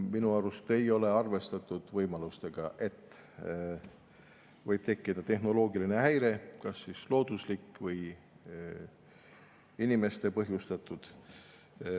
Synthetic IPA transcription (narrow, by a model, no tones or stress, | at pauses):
minuɑɾust̪e̞jo̞le̞ɑrve̞st̪ɑt̪ːˑud̪̥vɤjmɑlust̪e̞ɡ̥ɑʔe̞t̪ːˑ | vɤjb̥̚t̪e̞kːˑid̪̥ɑt̪e̞ɦno̞lo̞ːɡiline̞ɦæjɾe̞kɑsːislo̞ːd̪̥uslikːvɤj | inime̞st̪e̞pɤɦjust̪ɑt̪ːˑud̪̥